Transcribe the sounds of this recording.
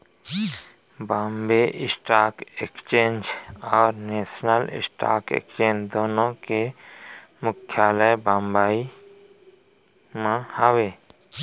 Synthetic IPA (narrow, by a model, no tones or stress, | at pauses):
bãːmbeʔɪsʈaːkekt͡ʃeːnd͡ʒɔːɾneːsnəlɪ̰sʈa̰ːkḛkt͡ʃeːnd̪oːnõke | mʊkʰːjaːləjbãːmbaːi | mãhəweː